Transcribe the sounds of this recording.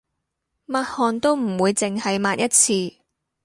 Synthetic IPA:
maː˧t̚hɔː˨nt̪o˥wm̩˨˩wuː˨˧jt͡sɪ˨ŋhɐ˨jmaː˧t̚jɐ˥t̚t͡sʰiː˧

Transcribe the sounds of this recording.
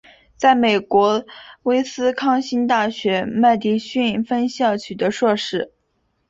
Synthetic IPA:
t͡sa˥˩ɪme˨˩ɪkwɔ˧˥we˥ɪsɹ̩˥kʰɑ˥ŋɕi˥nt̪a˥˩ɕɥɛ˧˥ma˥˧ɪt̪i˥ɕy˥˧nfə˥nɕjɑ˥˩t͡ɕʰy˨˩ə˧˥ʂwɤ˥˧ʂɻ̩˥

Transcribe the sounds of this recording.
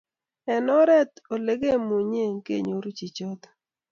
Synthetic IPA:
ɛ˨nɔ˦ɾɛ˦t̪o˨le˦ɡe˦mu˨ɲe˦ŋkḛ˦˨ɲo˨ɾu˦t͡ʃi˨t͡ʃo˦t̪

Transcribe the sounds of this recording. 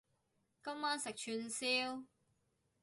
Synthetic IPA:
kɐ˥mmaː˥nsɪ˨k̚t͡ʃʰyː˧nsiː˥w

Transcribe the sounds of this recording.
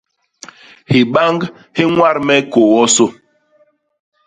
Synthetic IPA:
hi˨ɓa˦ŋɡ | hi˦ŋwa˦˨ɾmɛ˦ko˨wɔ˦so˦

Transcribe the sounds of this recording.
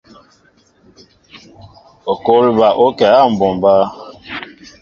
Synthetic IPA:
o˨ko˦li˦ba˨ʔo˦kɛ˨˦a˦˨m̩˨bɔ˨m˨ba˦

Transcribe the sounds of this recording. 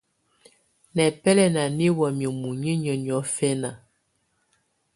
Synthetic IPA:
nɛ˨pɛ˦lɛ˦na˨ni˦wɔ˨mjə˨mu˨ɲi˦ɲə˨ɲ˨ɔ˨˦fɛ˦na˨

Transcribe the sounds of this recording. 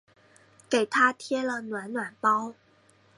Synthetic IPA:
ke˨˩ɪt̪ʰa˥t̪ʰjɛ˥lə˨nwa˧˥nnwa˨˩npɑ˥ʊ

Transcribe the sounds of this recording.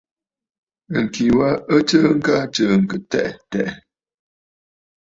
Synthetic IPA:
ə˨ŋ˨ki˨wa˦ə˦t͡ʃə˦ŋ̩˦ka˦t͡ʃə˨ŋ̩˨kə˨tɛ̰˦˨ʔtɛ˦ʔ

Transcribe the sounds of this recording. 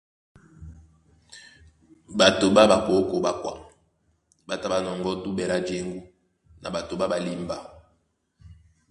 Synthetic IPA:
ba˨to˨ba˦ba˨ko˨˦ko˨˦ba˨kwa̰˨ | ba˨ta˦ba˨nɔ˨ŋɡɔ˦tu˦bɛ˨ɾa˦d͡ʒe˦ŋɡu˦ | nʔa̰˨ba˨to˨ba˦ba˨li˦mba˨

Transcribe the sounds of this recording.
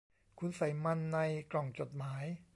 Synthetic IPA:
kʰu˧nsa˩˦jma˧nːa˧jklɔː˨˩ŋt͡ɕo˨˩t̪̚maː˩˦j

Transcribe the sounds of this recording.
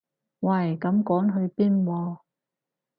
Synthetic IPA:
wɐ˨˩jkɐ˨˧˥mkɔː˨˥ŋɦɵ˧ɥpiː˥nwɔː˧

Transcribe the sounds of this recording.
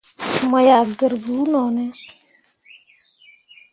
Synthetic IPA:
ma˨ja˨ɡə˨ɾbu˨˦nɔ˨nɛ˦

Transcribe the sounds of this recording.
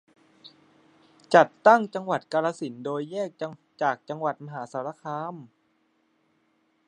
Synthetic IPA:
t͡ɕa˨˩t̪ːa˥˩ŋt͡ɕa˧ŋwa˨˩t̪̚kaː˧ɾaː˧si˩˦ndoː˧jːɛː˥˩k̚ | t͡ɕaː˨˩k̚t͡ɕa˧ŋwa˨˩t̪̚ma˧ɦaː˩˦saː˩˦ɾa˧kʰaː˧˥m

